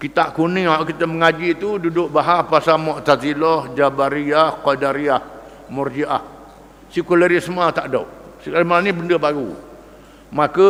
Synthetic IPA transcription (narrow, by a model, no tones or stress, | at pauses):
kit̪aʔkunĩhaʔkit̪əməŋad͡ʒit̪ududʊʔ̚baɦahpasamɔʔt̪at̪ilɔhd͡ʒabaɾiahkɔdaɾiah | murd͡ʒiʔa̰h | sikulaɾismat̪aʔdo̰ʔsiklimanibəndəbaɾṵ | makə